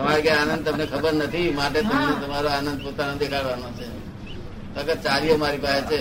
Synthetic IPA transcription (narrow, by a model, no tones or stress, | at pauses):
əmaɾkãanə̃nd̪̚t̪əmnekʰəbəɾnət̪ʰimaʈet̪əmnet̪əmaɾoanənd̪̚pot̪anõd̪ekʰaɭʋanot͡ʃʰe | t̪əkət͡ʃaliomaɾipaɦet͡ʃʰe